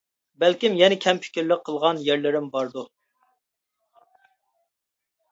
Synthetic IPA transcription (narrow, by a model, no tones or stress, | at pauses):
bɛlkʲimjɛnɪkʲʰɛmpʰɪ̥kʲiɾlɪqʰːəlˠʁɑnjæɾlɪɾɪmbɑɾd̪u